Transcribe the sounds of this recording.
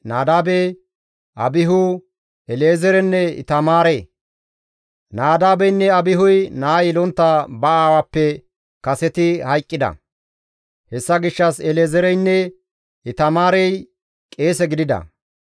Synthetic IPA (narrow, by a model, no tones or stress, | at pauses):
naːd̪aːbej | ʔɐ̰bɪɦʊ | ɛleːzɛɾɛnːɛɪ̰t̪ɐmaːɾeː | naːd̪aːbɛjnːɛɐbɪɦʊjnaːjɪlɔnt̪ːabɐaːwapːɛ | kɐsɛt̪ɪhɐjkʼːɪd̪ɐ̰ | hɛsːɐɡɪʃːɐsɛleːzɛɾɛjnːɛ | ɪt̪ɐmaːɾɛj | kʼe̞ːsɛɡɪd̪ɪd̪ɐ̰